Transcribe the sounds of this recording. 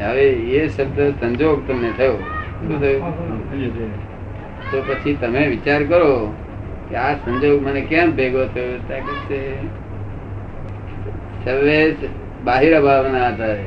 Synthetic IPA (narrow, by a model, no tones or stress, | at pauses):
ɦəʋeeʃəb̚d̪əsə̃ɲd͡ʒoːɡt̪əmnẽt̪ʰəjo | k̪ot̪ʰəjo | t̪opət͡ʃʰit̪əmẽʋɪt͡ʃaɾkəɾo | kiasə̃ɲd͡ʒoɡmənekãbʱeɡot̪ʰəjot̪akese | səɾʋed͡ʒ | baːɦiɾbʱaʋnaət̪a